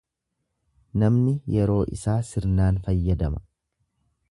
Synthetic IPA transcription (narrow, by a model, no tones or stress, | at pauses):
nɐmnɪjɛɾo̞ːʔɪ̰saːsɪɾnaːnfɐjːɐd̪ɐmɐ̥